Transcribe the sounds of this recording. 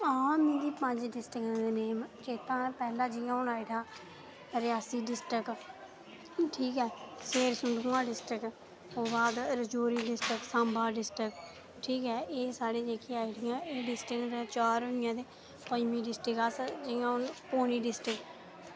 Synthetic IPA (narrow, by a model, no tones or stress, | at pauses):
aːmĩːd̪iːpə̃ɲd͡ʒɖɪsʈəkːd̪eːneːmt͡ʃeːt̪ãːpɛːlãːd͡ʒɪjãːʊnaːiʈʰaː | ɾɪjaːsiːɖɪsʈək | ʈʰiːkɛːseːɾsʊɳɖũːãːɖɪsʈək | oːbaːd̪ɾəd͡ʒoːɾiːɖɪsʈəksãːmbaːɖɪsʈɪk | ʈʰiːkɛːʔeːsaːɽeːd͡ʒeːkiːaːiʈɪjãːeːɖɪsʈɪkd̪et͡ʃaːɾʊɪjãːd̪eː | pəmĩːɖɪsʈəkasd͡ʒɪːãːʊnpoːniːɖɪsʈɪk